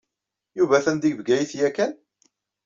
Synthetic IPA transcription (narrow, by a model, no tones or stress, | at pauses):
juvæθænd̪iɡvɡæjiθjækːæn